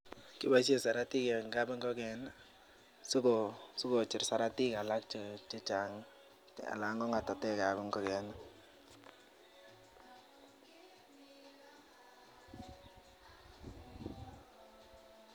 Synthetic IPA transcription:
kɪ˦ba˦s̬e˦sa˨ɾa˦ti˦kɛ˨ŋɡa˦bɪ˦ŋɡɔ˦kɛ˨n | sʊ˦ko˨su˦ko˨t͡ʃɪ˨rsa˨ɾa˦ti˦ka˨la˦k̚t͡ʃt͡ʃe˦t͡ʃa˨ŋ | a̰˨la˨˦ŋɡɔ˦ŋa˨ta˨tɛ˦ka˨bɪ˦ŋɡɔ˦kɛ˨n

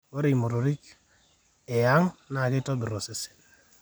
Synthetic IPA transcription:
wo˦ɾi˨mu˨ɾo˨ɾi˦k | e˨ja˦ŋna˨ki˦to˦bi˨ɾo˨se˨se̥˨

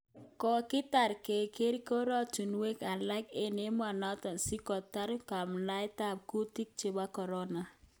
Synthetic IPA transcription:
kɔ˨kɪ˦ta˨ɾke˨ke˦ɾi˦ko˦ɾɔ˦tu˨nwe˦ka˨la˦ke˦ne˦m˦a˨na˦tɔ˨nsi˦kɔ˨ta˦ɾka˨mla˦jta˦b̚ku˦ti˦k̚t͡ʃe˨ba˦kɔ˨ɾɔ˦na˨

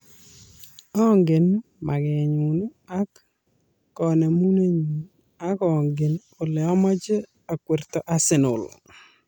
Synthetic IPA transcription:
ɔ˦ŋɡɪ˨n | mʔa˨ɡɛ˨ɲu˨n˦a˦kː | ɔne˨mu˦ne˦ɲu˨n | a˦kɔ˨ŋɡɪ˨n | ʊ˨lɪ˨ɔ˦mɔ˦d͡ʒe˦ | a˨kwe˨rt̪ɔ˨ʔa˦sɪ˨nʊ̰˨l̰

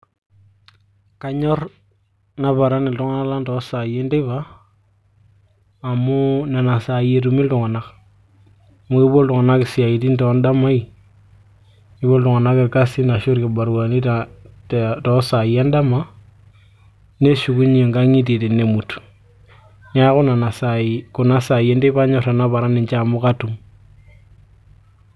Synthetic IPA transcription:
ka˦ɲɔ˦r | na˦βa˨ɾa˦ni˨ltu˦ŋa˦na˦la˦ntɔ˨˦sa˨je˦nde˦βa˦˨ | mo˦na˨na˨sa˨je˨t̬u˨mi˦ltu˨ŋa˨na˦k | mu˦ɪ˦bo˦ltu˨ŋa˨na˦kɪ˨sɪ˨a˨i˨ti˦ntɔ˨˦nda˦ma˦i˨ | i˦bo˦ltu˨ŋa˨na˦kɪ˨ɾka˦si˦na˨ʃo˦ɾki˨ba˨ɾwa˨ni˦ta | tɔ˦sa˨ja˦nda˦ma˦ | ne˦ʃu˨ku˦ɲe˨ŋɡa˦ŋi˦t̬i˨ti˨ne˨mu˨tu̥˨ | ɲa˦kʊ˦na˨na˨sa˨ku˨na˦sa˨je˦nde˦pa˦ɲo˦ɾa˨na˦pa˨ɾa˦ni˨ɲt͡ʃaː˦˨mu˦ka˦tu˨ŋ

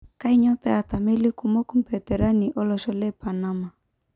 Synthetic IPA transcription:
ka˦i˦ɲɔ˦pɛ˦a˨t̪a˨mɛ˦li˦ku˨mo˦ku˦mpɛ˨t̪ɛ˨ɾa˦ni˨ʔɔ˦lɔ˨ʃɔ˨lɛ˦pa˨na˦ma˨

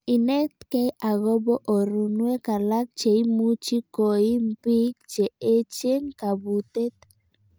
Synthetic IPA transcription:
i˨nɛ˦tkɛ˦jʔa˨ɣɔ˦bɔ˦ʔo˨ɾu˨nwe˦ka˨la˦k̚t͡ʃe˨i˦mu˦t͡ʃi˦ko˨i˦m˦pi˦k̚t͡ʃe˨e˦t͡ʃe˦ŋka˨bu˨t̪e˦t̪

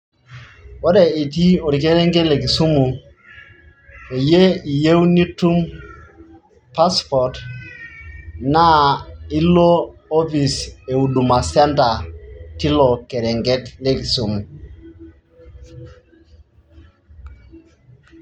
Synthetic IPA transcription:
wɔ˦dɛ˨i˨t̬i˦o˨ɾi˨ke˦ɾɛ˦ŋɡɛ˦tle˨k̬i˨su˦mu˨ | e˨je˦i˨je˦wni˦tu˦m | pa˦spɔ˨t | na˦i˦loː˦fi˨se˨u˨du˨ma˨sɛ˦nta˨ti˦lɔ˨kɛ˨ɾɛ˨ŋɡɛ˦tle˦ki˨su˦mu˨

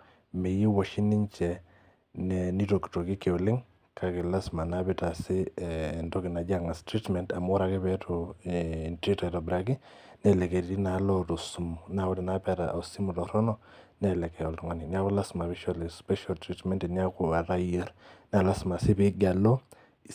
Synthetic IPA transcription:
me˨ji˦wɔ˨ʃi˦nɪ˦ɲt͡ʃɛ˨ | nɛ˨ni˦to˨ki̥to˨ki˦ke˨ʊ˨lɪ˦ŋ | kʰa˨kɪ˨la˦sma˨na˦bɪ˦ta˨sɪ˦˨ndo˦kɪ˨na˨d͡ʒa˦ŋa˨stɾi˦tmɛ˨nta˨mo˦ɾa˨kɪ˦pɛ˦to˨ | ntɾi˦tɔ˨ɛ˨tɔ˨bɾa˨ki˦ | nɛ˨lɛ˨kɛ˨ɾi˨ɾi˦na˨lɔ˦to˨su˨mʊ˨na˨wɔ˦tɛ˨na˦pɛ˦ta̰˨ʔsi˦mu˨tɔ˨ɾɔ˦nɔ˦nɛ˨lɛ˨kɛ˨jɔ˨ltŋa˦ni˨ni˦a˦kʊ˦la˦sma˨βɪ˦ʃɔ˦li˨spɛ˦ʃa˨ltɾi˦tmɛ˦nti˨ni˦a˦kʊ˨a˨ta˦jɛ˦ɾna˨la˦sma˨sɪ˦pɪ˦ɡa˨lɔ˦

